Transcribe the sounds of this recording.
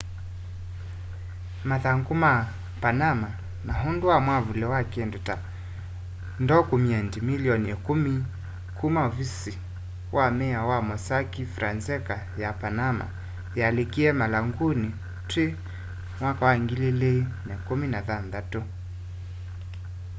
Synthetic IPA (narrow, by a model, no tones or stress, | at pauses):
maðaŋɡuma | panama | naɦunduwamwavulɛwakiɛndɔta | ndɔkumiɛndimiliɔniɛkumi | kʰumaɔvisi | wʔamɛawamɔsakifɾanzɛka | japanama̰ | jalikiɛmalaŋɡuni | tɾi | mwakawaiŋɡililɛnɛkuminaðanðatɔ